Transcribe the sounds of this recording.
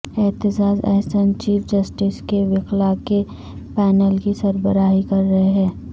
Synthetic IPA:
ɛːt̪ɪd͡ʒaːzɛ̰ɦsənt͡ʃiːpʰd͡ʒɐsʈɪskeʋɪklake | pɛːnəlkisɐɾbəɾaːɦikɐɾːɐɦeɦɛ̃ː

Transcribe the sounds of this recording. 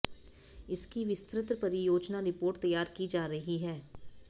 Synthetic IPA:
ɪskiʋɪst̪ɾɪt̪ɾəpɐɾijoːd͡ʒnaɾɪpoːɾʈt̪ɐjːaːɾkid͡ʒaːɾɐɦiɦɛː

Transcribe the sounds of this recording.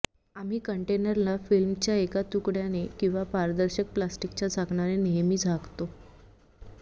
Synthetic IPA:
am̤iːkəɳʈenəɾlafilmt͡ɕjaekat̪ukɽjanekĩw̃ʋapaɾd̪əɾɕək̚plasʈikt͡ɕjad͡zʱakɳaɾeneɦmiːd͡zʱaɡt̪o

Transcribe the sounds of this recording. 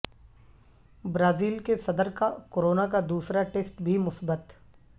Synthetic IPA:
bɾaːziːlkesɐd̪əɾkakoːɾoːnakad̪uːsɾaʈeːsʈbʱimʊsbət̪

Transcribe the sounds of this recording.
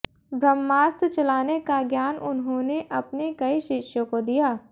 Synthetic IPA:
bɾəmːaːst̪ʰt͡ʃɐlaːnekaɡjaːnʔʊnɦõneʔɐpnekɐiʃɪʃjõkod̪ijaː

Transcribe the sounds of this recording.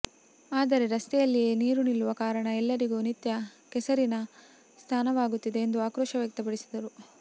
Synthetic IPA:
aːd̪ɐɾe̞ɾɐst̪ɛjɐlːije̞ːniːɾunilːuʋɐkaːɾɐɳɐɛlːɐɾiɡuːnit̪jɐkɛsɐɾinɐ | st̪ʰaːnɐʋaːɡut̪ːid̪e̞ːnd̪uaːkɾɔːʃɐʋjɐk̚t̪ɐp̬ɐɽisid̪ɐɾu

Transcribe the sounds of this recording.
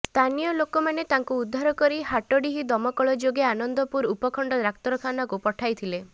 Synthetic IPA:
st̪ʰanijɔlokomanet̪aŋkuːd̪ʱːaɾɔkɔɾihaʈɔɽiɦid̪ɔmɔkɔɭɔd͡ʒoɡeanɔnd̪ɔpuɾupɔkʰɔɳɖɔɾakt̪ɔɾɔkʰanakupɔʈʰajt̪ʰile

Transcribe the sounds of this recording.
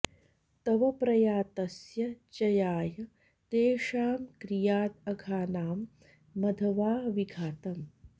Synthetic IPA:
t̪ɐʋɐpɾɐjaːt̪ɐsjɐt͡ʃɐjaːjɐ | t̪eːʂaːmkɾijaːt̪ɐɡʱaːnaːmː | ɐd̪ʱɐʋaːʋiɡʱaːt̪ɐm

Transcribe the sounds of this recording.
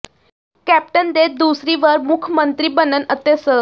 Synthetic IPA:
kæp̚ʈənd̪et̪̚d̪usɾiːʋəɾmukʰmənt̪ɾiːbənənət̪əsə

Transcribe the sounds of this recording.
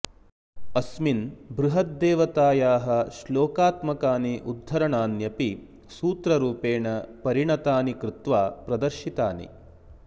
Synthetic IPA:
ɐsminbɾuɦɐt̪̚d̪ɛːʋɐt̪aːjaːɦɐ̆ʃloːkaːt̪mɐkaːniʔud̪ʱːɐɾɐɳaːnjɐpi | suːt̪ɾɐɾuːpeːɳɐpɐɾiɳɐt̪aːnikɾɪt̪ʋaːpɾɐd̪ɐɾʃit̪aːnḭ

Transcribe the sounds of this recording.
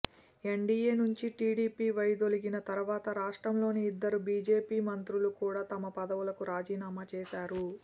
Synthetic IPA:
e̞ɳɖiːeːnuɲt͡ʃiʈiːɽiːpiːʋɐjd̪o̞liɡinɐt̪ɐɾuʋaːt̪ɐɾaːʂʈɾɐmlo̞ːniːd̪ːɐɾubiːd͡ʒe̞ːpiːmɐnt̪ɾulukuːɽaːt̪ɐmɐpɐd̪ɐʋulɐkuɾaːd͡ʒiːnaːmaːt͡ʃɛːʃaːɾu

